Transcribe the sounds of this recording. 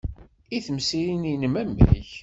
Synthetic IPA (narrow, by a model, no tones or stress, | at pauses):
iθəmsiɾininəmæmːæ̰ç